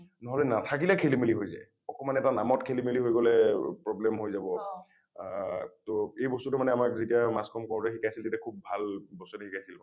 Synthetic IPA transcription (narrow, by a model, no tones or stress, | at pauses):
nɔɦɔlɛnatʰak̬ilakʰelimiliɦojza̰ | ɔkɔmanɛɛtana̰mɔtkʰelimiliɦojɡɔlɛpɹɔblɛmɦojzabɔ | toejbɔstutʊmanɛamakzitijamaskʰɔmkɔɹtɛxikʰajsiltetjakʰub̚ːʱalbɔstutuhikajsil